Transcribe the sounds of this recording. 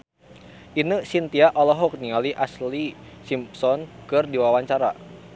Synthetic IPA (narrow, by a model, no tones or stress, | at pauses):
ʔinəsint̪iaʔɔlɔɦɔk̚niŋaliʔaslisimpsɔnkɨrdiwawaɲt͡ʃaɾa̰